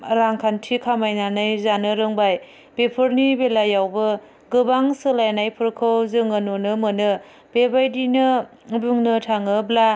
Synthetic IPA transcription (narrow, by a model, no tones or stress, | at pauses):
ɾaŋkʰantʰikʰamajnanajzanɯɾɯŋbaj | b̥epʰɯɾnibelajawbɯ | ɡɯbaŋsɯlajnajpʰɯɾkʰɯwzɯŋɯnonɯmɯnɯ | b̥ebajdinɯ | buŋnɯtʰaŋɯbla